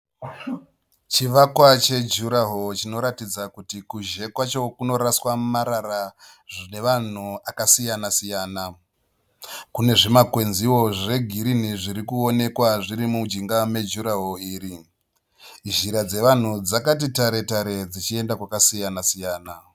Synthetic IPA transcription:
t͡ʃiʋakwat͡ʃe̞d͡ʒuɾaɦot͡ʃino̞ɾatid͡zakutikuʒe̞kwat͡ʃo̞kuno̞ɾaswamaɾaɾa | ʐine̞ʋan̤uakasijanasijaːna | kune̞ʐimakwe̞nziwo̞ʐe̞ɡʱiɾin̤iʐiɾikuone̞kwaʐiɾimud͡ʒiŋɡame̞d͡ʒuɾaɦo̞iːɾi | ʒiɾad͡ze̞ʋan̤ud͡zakat̬itaɾe̞taɾe̞d͡zit͡ʃie̞ndakwakasijanasijaːna

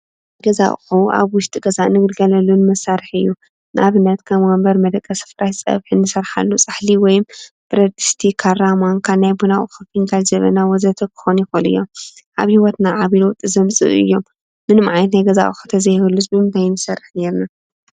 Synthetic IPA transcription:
ɡɐza̰ʔʼxuʔa̰βwʊʃt̪ʼɨɡɐzaʔnɨɡd̪ɡɐlɐlunɨmɐsːaɾɨħɨjːu | nɨʔaβɨnːɐt̪kʰɐmwɔmbɐɾmɐd̪ɐkʼːɐsɨ̥fɾajsʼɐ̰βħinɨsɐɾħa̰lːut͡sʼaħliwɔjm | b̥ɨɾɐd̪i̥st̪ʰikʰaɾramankʰaβnajbunaʔʼxɨfinɡald͡ʒɐβɐ̰nawɔzɐt̪ʰɐkʰɨ̥xonjɛxolɨ̰jːom | ʔa̰βhiwɔt̪naʕaβilwt̪ʼːɨzɐmt͡sʼɨ̰ʔɨ̰jːo̞mː | ɨnmaʕajnɐt̪najɡɐza̰ʔxu̥t̪ʰɐzɐhɐlːɨsbɨmt̪ʰajnɨsɐrːɨħne̞ɾna

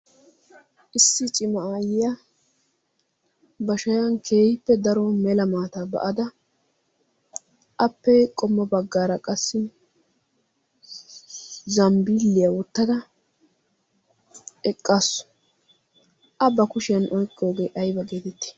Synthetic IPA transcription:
ʔɪsːɪt͡ʃʼɪmɐaːjɪja | bɐʃɐjɐnkʰe̞ːhɪpːɛd̪ɐɾɔmɛlɐmaːt̪abɐ̰ʔɐd̪ɐ | ʔɐpːɛkʼɔmːɐbɐɡːaːɾɐkʼɐsːɪ | zɐmbiːlːɪjawɔt̪ːɐd̪ɐ | ɛkʼːaːsːʊ̥ | ʔɐbːɐkʊʃɪjɐnʔɔjkʼːo̞ːɡe̞ːʔɐjbɐɡeːt̪ɛt̪ːɪ̥

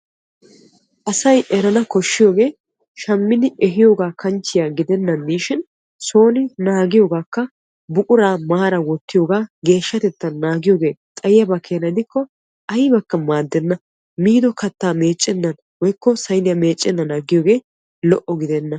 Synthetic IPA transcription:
ʔɐsɐjʔɛɾɐnɐkɔʃːɪjo̞ːɡe̞ː | ʃɐmːɪnɪɛɦɪjo̞ːɡaːkʰɐnt͡ʃːɪjaːɡɪd̪ɛnːɐnd̪iːʃɪn | so̞ːnɪnaːɡɪjo̞ːɡaːkːɐ | bʊkʼʊɾaːmaːɾɐwɔt̪ːɪjo̞ːɡaːɡe̞ːʃːɐt̪ɛt̪ːɐnːaːɡɪjoːɡe̞ːt̪ʼɐjɪjɐbɐkʰeːnɐɪd̪ɪkːɔ | ɐjbɐkːɐmaːd̪ːɛnːɐ | miːd̪ɔkɐt̪ːaːme̞ːt͡ʃʼːɛnːɐn | wɔjkːɔsɐjnɪjɐme̞ːt͡ʃʼːɛnːɐnaːɡɪjo̞ːɡe̞ː | lɔʔɔɡɪd̪ɛnːɐ

